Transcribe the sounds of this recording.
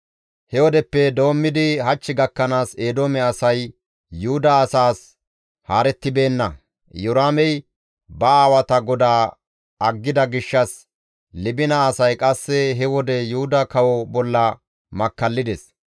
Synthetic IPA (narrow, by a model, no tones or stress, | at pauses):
hɛwɔd̪ɛpːɛd̪o̞ːmːɪd̪ɪhɐt͡ʃːɪɡɐkːɐnaːseːd̪oːmɛɐsɐj | juʊd̪ɐːsaːs | haːɾɛt̪ːɪbe̞ːnːɐ̰ | jʊɾaːmɛj | bɐaːwɐt̪ɐɡɔd̪aː | ɐɡːɪd̪ɐɡɪʃːɐs | lɪbɪnɐːsɐjkʼɐsːɛɦɛwɔd̪ɛjuʊd̪ɐkɐwɔbɔlːɐ | mɐkːɐlːɪd̪ɛs